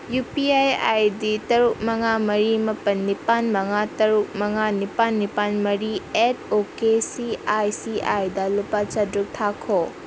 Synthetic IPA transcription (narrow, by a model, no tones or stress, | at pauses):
jupiaja̰jditɐɾuk̚mɐŋamɐɾimɐpɐnːipanmɐŋatɐɾuk̚mɐŋanipanːipanmɐɾiet̚ʰokesiajsiajdɐlupat͡ʃɐdɾuk̚tʰakʰo